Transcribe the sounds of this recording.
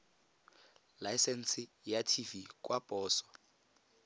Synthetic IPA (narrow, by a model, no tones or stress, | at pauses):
lajsɛn̩sɪjatʰivikʼwapʼɔːsɔ̥